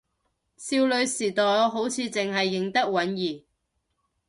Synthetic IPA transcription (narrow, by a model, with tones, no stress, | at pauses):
siː˧wlɵ˨˧ɥsiː˨˩t̪ɔː˨ɦo˨˥wt͡sʰiː˨˧t͡sɪ˨ŋɦɐ˨jːɪ˨ŋt̪ɐ˥k̚wɐ˨˥njiː˨˩